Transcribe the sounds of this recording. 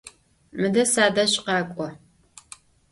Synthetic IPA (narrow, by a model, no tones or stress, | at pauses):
mɨdɐsaːdɐɕʼqɑːkʷʼɔ